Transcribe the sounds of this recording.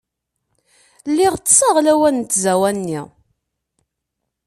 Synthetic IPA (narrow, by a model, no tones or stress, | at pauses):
lːiʁt͡s̪ːsɑʁlæwænnt̪ːzæwænnːḭ